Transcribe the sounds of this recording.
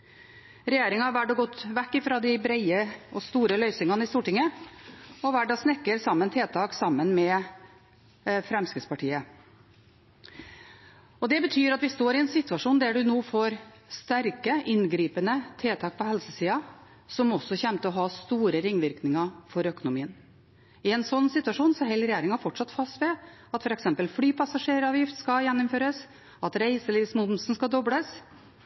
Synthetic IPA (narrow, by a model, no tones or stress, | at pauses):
ɾɛjeːɾɪŋɑʋæɖoːɡɔt̪ːʋɛkːɪfɾɑːd̪ɪbɾæɪəʔɔst̪uːɾəlœʏsɪŋɑnəɪst̪uːʈɪŋːə | ɔʋæɖɑːsnɛkːəɾsɑmːənt̪ʰeːt̪ʰɑːksɑmːənmɛː | fɾɛmskəspʰɑʈʰiːə | ɔd̪ɛbət̪ʰyːɾɑt̪ʋɪst̪oːɾɪɛnsɪt̪ːʉɑʂuːnd̪æɖʉnoːfoːɾst̪æɾkəʔɪnɡɾiːpənət̪ʰeːt̪ʰɑːk̚pʰɔhɛlsəsiːɑ | sɔmɔsːɔçɛmt̪əɔɦɑst̪uːɾəɾɪŋːʋɪɾknɪŋɑfɔɾœkʊnʊmiːən | ɪɛnsɔnːsɪt̪ːʉɑʂuːnsɔɦɛlɾɛjeːɾɪŋɑfɔʈʂɑt̪fɑst̪ʋɛɑt̪fɔɾɛksɛmpəlfɽyːpʰɑsɑʂeːɾɑːʋjɪft̪skɑjɛnːʊmføːɾəs | ɑt̪ɾæɪsəliːʋsmʊmsn̩skɑd̪ɔbləs